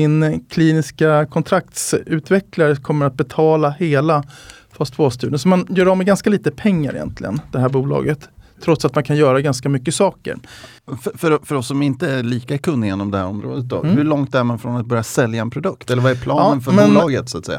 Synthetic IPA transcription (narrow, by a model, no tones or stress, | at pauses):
ɪnkʰliːnɪskakʰɔnt̪ʰɾak̚t̪sʉ̟ːt̪vɛklaɾəkʰɔmːəɾat̪̚bɛt̪ʰɑːlaheːlafast̪foːst̪ʉ̟ːɖənsɔmanjœːɾɔmɛɡanskaliːt̪əpʰɛŋːa̰ɾɪ̰jɛ̰nt̪ʰlɪ̰ɡə̰nd̪̥ɛhæːɾbuːlɑ̰ːɡət̪ʰː | ɾɔt̪sat̪̚mankʰanjœːɾaɡanskamʏkːəsɑːkə̰ɾ | ffœɾfœɾɔsːɔmɪnt̪əæɾliːkaɛɾkʰɵnːjeːnɔmd̪ɛhæ̰ɾɔmɾo̰ːd̪ət̪̚d̪ɔ̰hɵɭɔŋt̪æɾmanfɾɔnat̪̚bœɾjasɛljaɛnpʰɾʊd̪ɵkt̪ɛlːəɾvaɛɾpʰlɑːnːənfœɾbmɛnːlɑːɡət̪sʊat̪sɛ̰jːa̰